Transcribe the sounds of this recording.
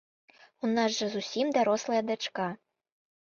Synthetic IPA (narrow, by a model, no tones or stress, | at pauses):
unazʐɐzusʲimd̪aɾɔslˠɐjɐd̪at͡ʂka